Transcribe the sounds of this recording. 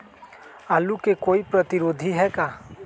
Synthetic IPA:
aːlukekoːipɾɐt̪ɪɾoːd̪ʱiɦɛkaː

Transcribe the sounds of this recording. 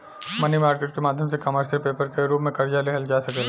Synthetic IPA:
mɐnimaːɾkeːʈ̚kemaːd̪ʱjəmsekɐməɾsəlpeːpəɾkeɾuːpmẽkɐɾd͡ʒaleɦɐld͡ʒaːsɐkel

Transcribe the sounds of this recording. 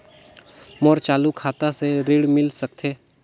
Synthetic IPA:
mɔːɾt͡ʃaːlukʰaːt̪aseɾɪːɽmɪlsɐk̚t̪ʰeː

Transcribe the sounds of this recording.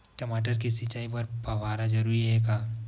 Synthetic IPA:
ʈɐmaːʈəɾkisɪt͡ʃaːipɐɾpɐʋaːɾad͡ʒɐɾuːɾiɦɛkaː

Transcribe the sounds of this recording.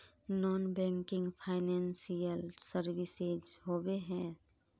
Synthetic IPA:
nɔːnbɛ̃ːŋkɪ̃ŋɡpʰaːɪnɛ̃ːnsijəlsəɾʋɪsed͡ʒɦobeɦɛ̃ː

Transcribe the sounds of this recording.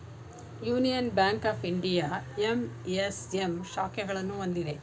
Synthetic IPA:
juːnijɐnbjaːŋkaːpʰiɳɖijaːemesemʃaːkɛɡɐɭɐnːuond̪id̪e̞

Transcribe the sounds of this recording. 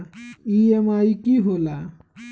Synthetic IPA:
iemaːikiɦoːla

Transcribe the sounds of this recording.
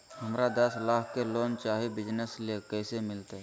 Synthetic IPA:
ɦɐmɾad̪əslaːkʰkeloːnt͡ʃaːɦibɪd͡ʒnəslekɛːsemɪlt̪e

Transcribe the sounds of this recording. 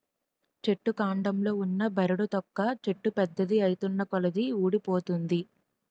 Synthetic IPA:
t͡ʃe̞ʈːukaːɳɖɐmlo̞ːunːɐbɐɾuɽut̪ɔkːɐt͡ʃe̞ʈːupɛd̪ːɐd̪iɐjit̪unːɐkɔlɐd̪iuːɽipo̞ːt̪und̪i

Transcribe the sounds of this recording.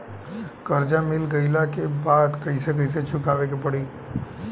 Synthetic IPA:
kəɾd͡ʒamɪlɡəɪlakebad̪kəɪsek̬əɪs̬et͡ʃʰukaʋek̬epəɽi

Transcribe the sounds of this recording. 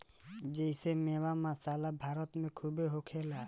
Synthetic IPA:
d͡ʒejsemewamasalabʱaɾɔt̪mẽkʰubeɦokʰela

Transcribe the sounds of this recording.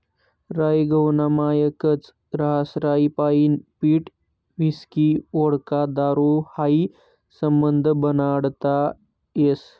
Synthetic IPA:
ɾajiɡʱəwnamajəkət͡s | ɾaɦasɾaipaiːnpiːʈ | ʋiskioɽkad̪aɾohai | səmbənd̪ʱbənaɽt̪a | jes

